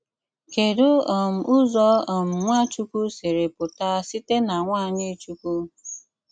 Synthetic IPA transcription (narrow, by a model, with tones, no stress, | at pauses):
ke˨do˦ɔ˨m̩˨ʊ˦zɔ˦ɔ˨m̩˨ŋʷa˦t͡ʃu˦kʷu˦se˨ɾe˨pʊ˨ta˦si˦te˦na˨ŋʷaː˦˨ɲɪ˦t͡ʃu˦ku˦